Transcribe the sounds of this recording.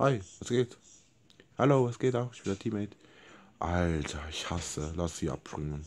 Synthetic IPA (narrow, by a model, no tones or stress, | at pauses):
haɪvasɡ̥eːt | haloːasɡ̥eːtaʊxɪçb̥ɪndatʰiːmɛt | ʔaltʰɐɪçhasəlasz̥iːa̰p̚b̥ʁɪŋən